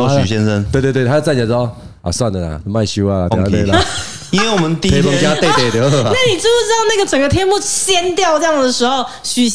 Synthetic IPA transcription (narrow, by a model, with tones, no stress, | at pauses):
y˨˩ɕjɛ˦nʂə˦nt̪we˥˧t̪we˥˧t̪ʰa˧jo˥˧t͡sa˥˨˩a˨˩˥ɔ˥˦ | a̰˨˩swa˥˨nd̪ə˨˩la̰˨˩˧ma˥˧ɪɕu˥˦a˧˩la̰˨ja˥˦e˥˩l | i˦nwe˥˩ɪwɔ˨mə˦nt̪i˧e˧˦ɔ˧˥ŋt͡ɕja˦t̪e˥˧ɪt̪e˥˨˩t̪jo˧˦˥a˥˩ni˨˩ʈ͡ʂu˥˩ʈ͡ʂɻ̩˥ɑ˥˧ŋna˥˩ɡə˨˩ʈ͡ʂə˨˩ŋɡə˧t̪ʰjɛ˥nmu˥˩ɕjɛ˥nt̪jɑ˥˧ʊʈ͡ʂə˥jɑ˥˩ŋd̪ə˩ʂɻ̩˧˥xo˥˨ʊ | ɕy˨˩